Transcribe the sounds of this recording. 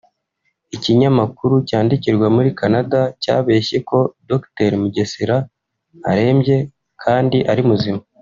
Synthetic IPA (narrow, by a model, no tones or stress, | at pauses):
iciɲamakuɾucaːndiciɾɡwamuɾikanadaca̰ːβe̞ːçe̞ko̞dokte̞ɾmuɟe̞siɾa | a̰ɾe̞ːmɟe̞ | kʰaːndiʔaɾimuzima